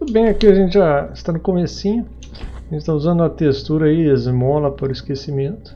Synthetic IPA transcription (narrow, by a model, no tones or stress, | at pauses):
t̪ud̪ʊbẽj̃akiɐʒẽnt͡ʃɪʒaɪst̪anʊkomesĩɲʊ | ʒẽnt͡ʃɪt̪auzɐ̃nd̪ʊɐt̪est̪uɾɐaiezmɔlɐpaɾʊɪskesimẽnt̪ʊ̥